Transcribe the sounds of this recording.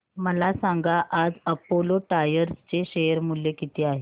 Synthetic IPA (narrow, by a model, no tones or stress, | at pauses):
məlasaŋɡaʔad͡zəpoloʈajəɾst͡seɕejəɾmuljekit̪ʰeaɦe